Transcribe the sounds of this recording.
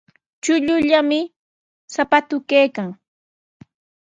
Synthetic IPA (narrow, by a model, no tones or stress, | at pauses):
t͡ʃʊʎʊʎamɪ | sapat̪ʊkejkaŋ